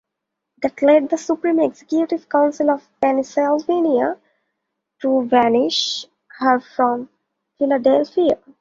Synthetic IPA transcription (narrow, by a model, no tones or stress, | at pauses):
d̪æʈlɛɖ̚d̪əsupɾĩːmeɡsekjuʈɪʋkãʊ̃nsɪlɔʋpɛnɪsalʋeːnia | ʈuʋænɪʃ | həɾfɾɔ̃m | fɪlaɖɛlfia